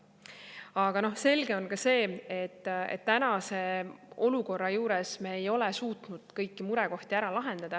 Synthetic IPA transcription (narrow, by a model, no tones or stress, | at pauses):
ɑɡ̥ɑno̞hse̞lɡe̞o̞nkɑse̞ːet̪ːḛt̪ːænɑse̞o̞luko̞rːɑjuːɾesmeːjo̞lɛsuːt̪nud̪̥kɤjkːimuɾɛko̞ht̪iæɾɑlɑɦe̞nd̪̥ɑd̪̥ɑ